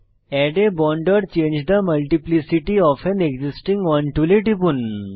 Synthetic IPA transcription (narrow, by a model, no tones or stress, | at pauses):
ɛɖebɔɳɖəɾt͡ɕẽɲd͡ʑd̪əməlʈiplisiʈiɔfẽneɡzisʈĩŋɡɔnʈuleʈipun